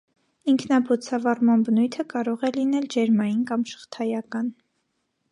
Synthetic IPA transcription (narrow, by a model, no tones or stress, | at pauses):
iŋkʰnɑbɔt͡sʰɑvɑrmɑnbənujt̪ʰəkɑɾɔʁɛlinɛld͡ʒɛɾmɑjinkɑmʃə̥χt̪ʰɑjɑkɑn